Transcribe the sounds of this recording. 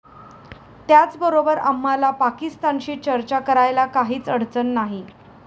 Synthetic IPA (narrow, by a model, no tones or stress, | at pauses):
t̪jat͡sbəɾobəɾamːalapakist̪anɕiːt͡ɕəɾt͡ɕakəɾajlakaɦiːt͡səɽ̤t͡sənːaɦi